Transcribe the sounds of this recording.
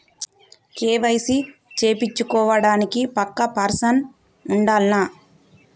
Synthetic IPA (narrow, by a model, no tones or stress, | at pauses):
keːʋɐjsit͡ʃe̞ːpit͡ʃːukɔːʋɐɽaːnikipɐkːɐpɐɾsɐn | uɳɖaːlnaː